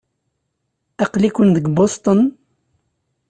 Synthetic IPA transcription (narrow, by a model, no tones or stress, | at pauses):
æqlikʷənðəɡbost̪ˤən